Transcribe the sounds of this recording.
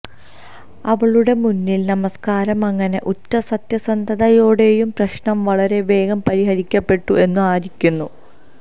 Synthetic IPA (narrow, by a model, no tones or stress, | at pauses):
ɐʋɐɭuɽe̞munːilnɐmɐskaːɾɐmɐŋːɐne̞ʔutːɐsɐt̪jɐsɐnd̪ʱɐðɐjoːɽe̞jumprɐɕɳɐmʋɐɭɐɾe̞ʋe̞ːɡɐmpɐɾiɦɐɾikʲːɐpːe̞ʈːuʔe̞nːuaːɾikʲːunːu